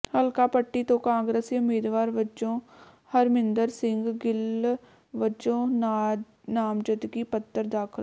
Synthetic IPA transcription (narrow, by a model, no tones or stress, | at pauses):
həlkaːpəʈːiːt̪õːkãːŋɡɾəsiʊmiːd̪ʋaːɾʋət͡ʃõː | həɾmɪnd̪əɾsɪŋɡɡɪl | ʋət͡ʃõːn | naːmd͡ʒət̪ɡiːpət̪ːəɾd̪aːkʰəl